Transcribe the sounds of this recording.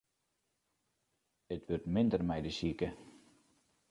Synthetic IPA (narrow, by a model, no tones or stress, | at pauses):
ətʋørtmɪndərmɛjdəsikə